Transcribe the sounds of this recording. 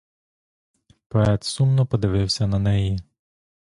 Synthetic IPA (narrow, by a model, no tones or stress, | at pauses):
pɔɛt̪sumnɔpɔd̪ɪʋɪwsʲɐnɐnɛji